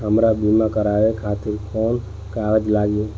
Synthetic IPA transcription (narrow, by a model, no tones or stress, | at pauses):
ɦəmɾabimakəɾaekʰat̪iɾkɔn | kaɾəd͡ʒlaɡi